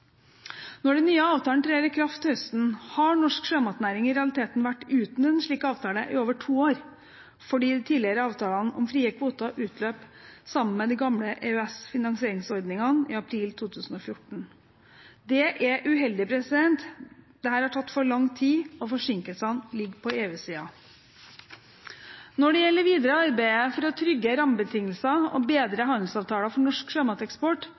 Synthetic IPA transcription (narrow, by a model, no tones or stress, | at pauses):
nɔɖɛnːyːəɑːʋt̪ɑːnt̪ʰɾeːɾəkʰɾɑft̪ɪhœst̪n̩hɑɳɔʂkʂøːmɑt̪næɾɪŋɪɾɛɑlɪt̪ʰeːt̪n̩ʋæʈːʉːt̪n̩ɛnʂɭiːkɑːʋt̪ʰɑːləʔɪoːʋəʈʰuːoːɾ | fɔɖiːt̪ʰiːlɪəɾəɑːʋt̪ʰɑːlɑnʔɔmfɾiːɛkʰʋuːt̪ɑʔʉːt̪ʰløːpsɑmːənmɛd̪ɛɡɑmləʔɛœɛsfɪnɑŋsɪeːɾɪŋsɔɾd̪nɪŋɑnɪ̰ɑpʰɾiːlt̪ʰuːt̪ʰʉːsn̩ɔfjʊʈɳ̩ | d̪ɛʔɛʔʉɦɛld̪ɪpʰɾɛsɪd̪ɛnt̪d̪̥ɛhæːɾhɑʈʰɑt̪ːfɔɭɑŋt̪ʰiːɔfɔʂɪŋkəlsɑnlɪɡːpʰɔeːʉːsiːɑ | nɔɖɛjɛlːəɾʋiːd̪əɾəɑɾbæɪəfɔɾɔt̪ʰɾʏɡːəɾɑmbət̪ʰɪŋːəlsɑɔ̰beːd̪ɾəɦɑnd̪l̩sɑːʋt̪ʰɑːlɑfɔɳɔʂkʂeːmɑt̪ɛkspɔʈ